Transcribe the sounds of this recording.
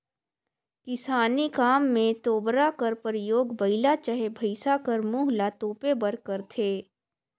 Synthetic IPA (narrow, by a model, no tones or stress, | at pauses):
kɪsaːnikaːmːẽt̪oːbɾakəɾpəɾɪjoːɡbɐɪlat͡ʃəɦebʱəɪsakəɾmuːɦlat̪oːpebəɾkəɾt̪ʰeː